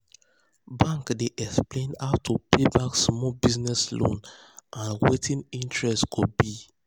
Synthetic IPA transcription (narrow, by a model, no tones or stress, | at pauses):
bãŋkdeʔɛksplẽnaʊtʰupebãksːmɔbiznɛslõ̰n | ʔãnwetʰĩnĩntɹɛstkʰud̚bi